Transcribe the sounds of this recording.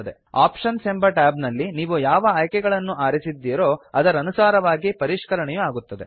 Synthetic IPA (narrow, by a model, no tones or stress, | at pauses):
ɐd̪e̞̰ | a̰ːpʂɐnsembɐʈaːbnɐlːiniːʋujaːʋɐaːjkɛɡɐɭɐnːuʔaːɾisid̪ːiːɾo̞ːɐd̪ɐɾɐnusaːɾɐʋaːɡipɐɾiʂkɐɾɐɳɛjuaːɡut̪ːɐd̪e